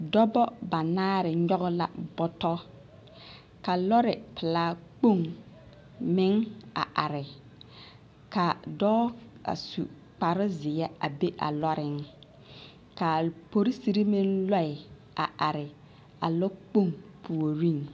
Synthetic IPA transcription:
dɔ˦bɔ˦ba˨naː˦ɾɪ˨ɲɔ˦ɣʊ˦la̰˨bɔ˦tɔ˦ | ka˨lɔ˦ɾɪ˨pɪ˨laː˦k͡po˦˨ŋ | mɪ˦ŋa̰˨ʔa˨ɾɪ˨ | ka˨dɔː˦a̰˨sṵ˨ | k͡pa˨ɾɪ˦zɪ˨ɛ˦a˨be˦ʔa̰˨lɔ˦ɾɪ˨ŋ | ka˨po˦ɾi˦si˨ɾi˦mɪ˦nlɔ˦˨ɪ˨ | a̰˨ʔa˨ɾɪ˨ | a̰˨lɔ˦k͡po˦˨ŋpʰu˨o˨ɾi˦˨ŋ

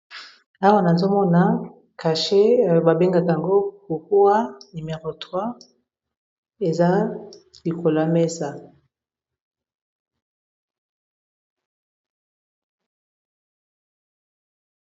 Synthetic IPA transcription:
a˦wa˦na˨zo˦mɔ˦na˨ | ka˨ʃe˦a˨o˨ba˨be˦ŋɡa˨ka˨a˨ŋɡo˦ku˨ku˦a˦nu˨me˨ʁo˨twa˦ | e˨za˦ | li˨ko˨la˨me˦sa˨

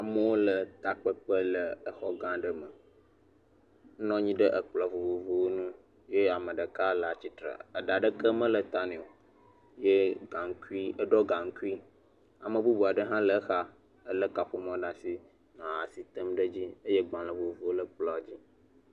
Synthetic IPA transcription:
a˨mə˦wo˦lə˨t̪a˨k͡pə˦k͡pə˦lə˨ə˦xɔ˦ɡã˦ɖə˦mə˨˦ | nɔ̃˦ɲĩ˦ɖə˦ʔə˨k͡plɔ˨vo˨vo˨vo˨wo˦nũ˦ | je˦a˨mə̃˨ɖə˨ka˦lə˨a˨t͡ɕi˦t̪ɾə̰˨ə˨ɖa˨ɖə˦kə˦mə̃˦lə˨t̪a˦nẽ˨o˨ | je˦ɡa˨ŋ˦ki˦ə˦ɖɔ˦ɡã˨ŋ̩˦ki˦ | a˨mə̃˨bu˦bu˨a˨ɖə˦ɦã˦lə˦xa˦ | ə˦lə˦ka˨ɸo˦m˦ɔ̃˦ɖa˨si˦ | nã˨a̰˨si˨t̪ə˦mɖə˦d͡ʑi˦ə˦je˦ɡ͡bã˨lə˨vo˨vo˨˦wo˦lə˦k͡plɔ˨d͡ʑi˦

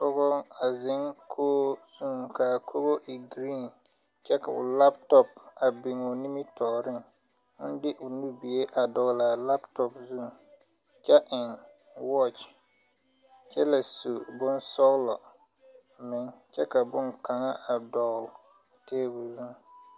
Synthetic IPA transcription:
tʊ˦ɣʊ˦ŋa˨zɪ˦ŋkʰoː˦zu˦˨ŋka˨kʰo˦bo˦ʔi˨ɡɾiː˦˨n | t͡ʃɛ˦ka̰˨ʊ̰˨la˦ptɔ˦pa˨bɪ˨ŋɔ˨ni˦mi˦tʰɔː˨ɾɪ˦ŋ | ʊ˦n˦dɪ˦ʔʊ˨nu˦bi˨e˦ʔa˨dɔ˨ɣla˨la˦ptɔ˨pzu˦˨ | t͡ʃɛ˦ʔɪ˨ŋ | wɔ˦t͡ʃ | t͡ʃɛ˦la˨su˨bʊ˦nsɔ˦ɣlɔ˨ | mɪ˨˦ŋt͡ʃɛ˦ka˨bʊ˦ŋka˨ŋa˦ʔa˨dɔ˨ɣl | tʰeː˦bu˨zu˦˨ŋ˨

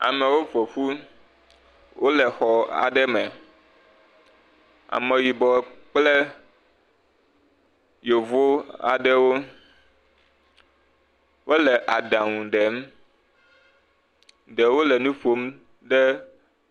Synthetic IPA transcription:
a̰˨mɛ˨wo˦vɔ˨fu˦ | wʔo˦lɛ˨xɔ˨a̰˨ɖɛ˦mɛ̃˨ | a̰˨mɛ˨wi˨bɔ˨k͡plɛ˦ | jo˨vo˦a̰˨ɖɛ˦wo˦ | wo˦lɛ˨ʔa˨ɖã˨ŋũ˨ɖɛ˨˦m | ɖɛ˨wo˦lɛ˨nũ˦fo˦m | ɖɛ˦

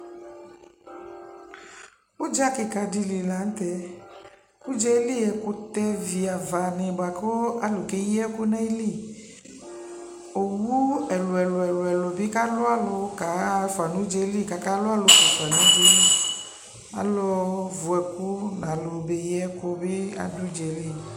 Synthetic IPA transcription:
u˦d͡ʒa˦ke˨ka˨di˧li˨la˨˦n̩˦t̪ɛ˦ | ku˦d͡ʒɛ˦li˦ɛ˨ko˨t̪ɛ˦vi˨a˨va˨nẽ˨ba˨ko˦a˨˦lo˨ke˦je˦ɛ˦ku˦na˦i˦li˦˨ | o˨wu˦ɛ˨lo˨ɛ˨lo˨ɛ˨lo˨ɛ˨lo˨be˦ka˦lo˦a˦lo˨˦ka˨˦fa˨nũ˨˦d͡ʒɛ˦li˦˨ka˨˦ka˦lo˦a˦lo˨˦ko˨fa˨nũ˦do˦n˦ | a̰˨lɔ˧vo˨ɛ˨ku˦nã˨lo˨be˦jɛ˦ko˦be˦a̰˨du˦d͡ʒɛ˨li˦˨

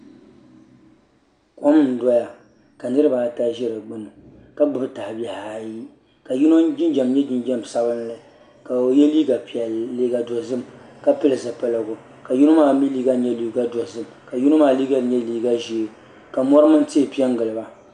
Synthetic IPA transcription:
ko˦mn̩˨dɔ˦ja˨ | ka˨nɨ˦ɾɨ˦ba˨ta˦ʒɛ˦ɾɨ˨ɡ͡bɨ˦nɨ˨ | ka˦bɨ˦bɨ˦ta˨hbɛ˨ha˨ji˦ | ka˨ju˦no˦d͡ʒɪ˦nd͡ʒɛ˨mɲɛ˦d͡ʒɪ˦nd͡ʒa˦msa˦bɨ˦n˦lɨ˦ | ka˨o˨jɛ˦liː˦ɡa˨pɛ˨i˦ɡa˨dɔ˨zɨ˦˨mka˦pɨ˦lɨ˨za˨pa˦lɨ˦ɡʊ˨ | ka˨ju˦no˦maː˦˨mi˦liː˦ɡa˦ɲɛ˦li˨ɡa˦dɔ˨zɨ˦m | ka˨ju˦no˦maː˦˨liː˦ɡa˦˨ɲɛ˦liː˦ɡa˦ʒi˨ | ka˨mɔ˦ɾɨ˦mɨ˦n˦ti˦˨pi˦ɛ˦ŋ˦ɡɨ˨lɨ˨ba˨

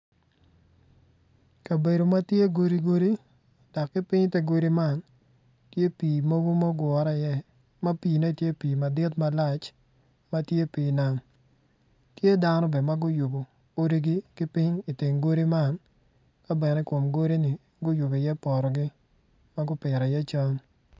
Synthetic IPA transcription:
ka˨be˨do˨ma˦tje˦ɡo˦ɾi˦ɡo˦ɾi˦ | d̥ɔ˨kːɪ˦pɪ˦ɲte˦ɡo˦ɾi˦ma˦˨n | tje˦piː˨mo˦ɡo˦ma˦ɡwɔ˨ɾa˨jɛ˦ | ma˦piː˨ne˦˨tje˦piː˨ma˨dɪ˦tma˦la˦˨t͡ʃ | ma˦tje˦piː˨na˦m | tje˦da˦nɔ˦bɛ˨ma˦ɡʊ˦jʊ˨bo˨ | o˦ɾi˦ɡi˦kɪ˦pɪ˦ɲi˨tɪ˨ŋɡo˦ɾi˦ma˦n | ka˦bɛ˨nɛ˦ko˨mɡo˦ɾi˦nɪ˨ | ɡʊ˦jʊ˨bo˨jɛ˦pɔ˨ɾɔ˨ɡɪ˦ | ma˦ɡʊ˦pɪ˨ɾa˨jɛ˦t͡ʃa˦ŋ

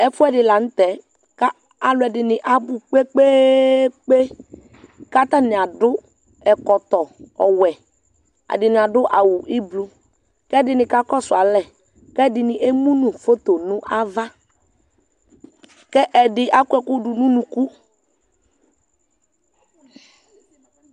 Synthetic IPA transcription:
ɛ˦fʊ˦ɛ˦˨dɪ˨la˨n̩˦t̪ɛ˨˦ | ka˦ | a˨lɛ˨dɪ˨nɪ˨ʔa˨bʊ˦k͡pe˦k͡pe˦k͡pe˦ | ka˦t̪a˦nɪ˨a˨dʊ˦ | ɛ˨kɔ˨t̪ɔ˨ɔ̰˨wɛ˨ | a̰˨dɪ˨nɪ˨a˨dʊ˦ʔa˨wʊ˨ʔi˦blu˦ | kɛ˦dɪ˨nɪ˨ka˦kɔ˦sʊ˨a˨lɛ˨ | kɛ˦˨dɪ˨nɪ˨ʔe˦mũ˦nũ˨fo˦t̪o˨nũ˦ʔa˦va˦ | kɛ˦ʔɛ˨dɪ˨ʔa˦ku˦ɛ˨kʊ˦dʊ˨nũ˦nũ˨ku˦

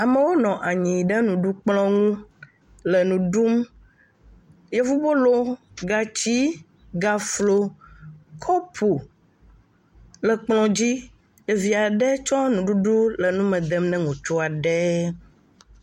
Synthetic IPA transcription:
a˨mẽ˦wo˦nɔ̃˨ʔa˨ɲĩ˨ɖɛ˦nũ˨ɖu˦k͡plɔ̃˦ŋũ˦ | lə˨nũ˨ɖu˦m | jɛ˦vu˦bo˦lo˦ɡa˨t͡ɕi˦ | ɡa˨flo˦ | kʰɔ˦pʰo˨ | lɛ˨k͡plɔ̃˨d͡ʑi˦ | e˨vi˨a˨ɖɛ˦t͡ʃɔ˦nũ˨ɖu˦ɖu˦lə˨nũ˦mɛ̃˨d̪ɛ˨mnɛ̃˦ŋũ˨t͡ʃo˦a˨ɖɛ˦

